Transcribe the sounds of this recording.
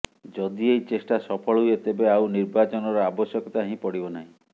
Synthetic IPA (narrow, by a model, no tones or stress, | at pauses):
d͡ʒɔd̪iejt͡ʃesʈasɔpʰɔɭɔɦujet̪ebeawniɾbat͡ʃɔnɔɾɔabɔsjɔkɔt̪aɦĩpɔɽibɔnaɦĩ